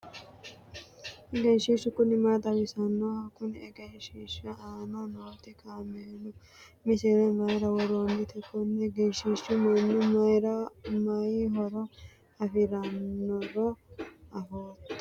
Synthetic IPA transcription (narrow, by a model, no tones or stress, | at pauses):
ɛɡɛnʃiʃʊkʊnɪmad̪ɐbɪsɐnːohɐkːʊnɛɡɐnʃiʃɐaːnɐnoːt̪ɪkʰaːmɛnʊ | mɪsɪɾɛmɐjɾɐwɔɾoːnːɪt̪ɛkːɔnːɛɡɛnʃiʃʊmɐnːʊmɐjɾɐmɐjɦɔɾɔ | ɐfɪɾɐnːɔɾɔɐfoːt̪ː